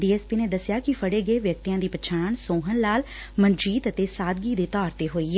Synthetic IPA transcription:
ɖiːɛːspiːneːd̪əsjaːkɪfʰəɽeːɡəeːʋjək̚t̪ijãːd̪iːpət͡ʃʰaːɳsoːɦənlaːl | mənd͡ʒiːt̪ət̪eːsaːd̪ɡiːd̪eːt̪ɔːɾt̪eːɦoːiːɛ

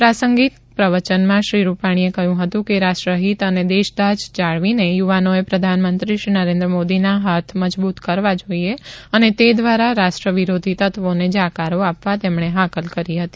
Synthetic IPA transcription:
pɾasəŋɡit̪ | pɾəʋət͡ʃənmãʃɾiɾupaɽ̃iekəjũɦət̪ũkeɾaʃʈɾəɦit̪əned̪eʃd̪ad͡ʒd͡ʒaɭʋinejuʋanoepɾəd̪ʱanmənt̪ɾiʃɾinəɾẽnd̪ɾəmod̪inaɦat̪ʰməd͡ʒbut̪kəɾʋad͡ʒoieənet̪ed̪ʋaɾaɾaʃʈɾəʋiɾod̪ʱit̪ət̪ʋoned͡ʒakaɾoapʋat̪emɳ̃eɦakəlkəɾiɦət̪i̥

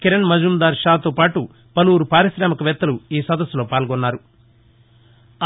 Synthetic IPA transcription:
kiɾɐnmɐd͡ʒumd̪aːɾʃaːt̪oːpaːʈu | pɐluːɾupaːɾisɾaːmɐkɐʋɛt̪ːɐluiːsɐd̪ɐsːulo̞ːpaːlɡɔnːaːɾu

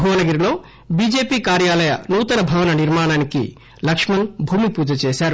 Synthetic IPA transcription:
uʋɐnɐɡɐɾilo̞ː | biːd͡ʒeːpiːkaːɾjaːlɐjɐ̰nuːt̪ɐnɐbʱɐʋɐnɐniɾmaːɳaːnikḭ | lɐkʂmɐnbʱuːmipuːd͡ʒɐt͡ʃeːʃaːɾu

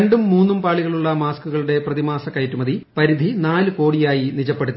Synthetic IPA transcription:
ɳɖumːuːnːumpaːɭiɣɐɭuɭːɐmaːskuɣɐɭuɽe̞prɐðimaːsɐkɐjtːumɐðʱipɐɾid̪ʱinaːlɨko̞ːɽijaːjinit͡ɕɐpːeɽut̪ː

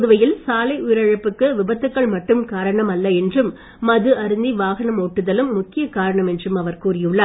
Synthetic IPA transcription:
ðɯʋɐjɪlsaːlɐɪʔʊjɾɐɻɯpːɯkːɯʋɪbɐt̪ːɯkːɐɭmɐʈːɯmkaːɾɐɳɐmɐlːɐɛndrɯmː | ɐðɯʔɐɾɯnd̪iʋaːɣɐɳɐmoːʈːɯðɐlɯmːʊkːɪjɐkaːɾɐɳɐmɛndrɯmɐʋɐɾkuːrɪjɯɭːɐ

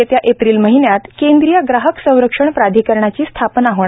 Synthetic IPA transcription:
et̪jaʔepɾiːlməɦinjat̪kend̪ɾijəɡɾaɦəksə̃w̃ɾəkʂəɳpɾad̪ʱiːkəɾɳat͡ɕiːst̪ʰapnaɦəʋɳ

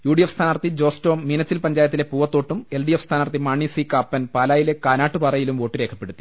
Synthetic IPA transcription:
juːɽijɐfst̪ʰaːnaːrt̪id͡ʑo̞ːsto̞ːmːinɐt͡ɕːilpɐɲd͡ʑaːjɐt̪̬ːile̞puːʋɐt̪ːo̞ːʈːume̞lɖijefst̪ʰaːnaːrt̪ːimaːɳisikaːpːɐnpaːlaːjile̞kaːnaːʈːupɐrɐjilumʋo̞ːʈːiɾe̞ːkʰːɐpːe̞ɽut̪ːi

